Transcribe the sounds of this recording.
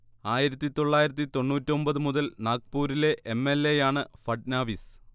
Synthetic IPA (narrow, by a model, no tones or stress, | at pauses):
aːjiɾɐt̪ːit̪o̞ɭːaːjiɾɐt̪̬ːit̪o̞ɳːuːtːio̞mbɐðɨmuðɐlnaːk̚puːɾile̞ʔemːelːe̞jaːɳɨfɐʈnaːʋis